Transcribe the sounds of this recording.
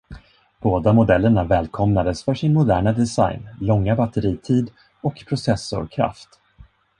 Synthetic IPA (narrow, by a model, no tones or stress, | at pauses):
b̥oːd̪amʊd̪ɛlːəɳavɛːlkʰɔmnad̪əsfœʂɪnmʊd̪æːɳad̪ɛsa̰jnlɔŋːabat̪əɾiːt̪ʰiːd̪ | ɔkpʰɾʊsɛsːʊ̰ɾkʰɾa̰ft̪